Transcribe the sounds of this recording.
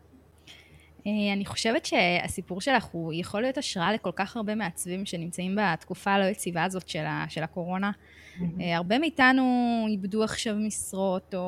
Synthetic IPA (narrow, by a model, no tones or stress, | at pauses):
eaniχo̞ʃevetʃe̞a̰sipuʁʃe̞laχujeχo̞lːijo̞taʃʁaale̞ko̞lkaχaʁbe̞meat͡svimʃe̞nimt͡saimbatkufalo̞jet͡sivaːzo̞tʃela̰ʃe̞lako̞ʁo̞na | eaʁbe̞miitanuibduaχʃavmisʁo̞to